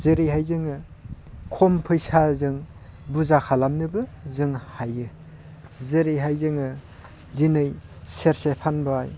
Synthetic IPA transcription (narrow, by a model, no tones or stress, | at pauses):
zɯɾijɦajzɯŋɯ | kʰompʰɯjsazɯŋ | buzakʰalamnɯbɯzɯŋhajɯ | zɯɾijɦajzɯŋɯ | dinɯjseɾsepʰanbɯaj